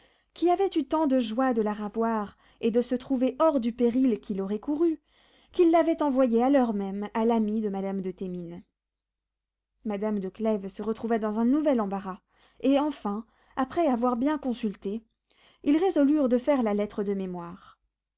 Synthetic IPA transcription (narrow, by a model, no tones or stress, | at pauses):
kʲiavɛt̪yt̪ɑ̃d̪əʒwad̪əlaʁavwaʁ | ed̪əsət̪χuveʔɔʁd̪ypeʁilkʲilɔʁɛkuʁy | kʲilːavɛt̪ɑ̃vwajealœʁmɛmalamid̪əmad̪amd̪ət̪emin | mad̪amd̪əklɛvsəʁət̪χuvad̪ɑ̃zɛ̃nuvɛlɑ̃baʁa | eɑ̃fɛ̃ | apχɛavwaʁbjɛ̃kɔ̃sylt̪e | ilʁezɔlyʁd̪əfɛʁlalɛt̪χəd̪əmemwaːʁ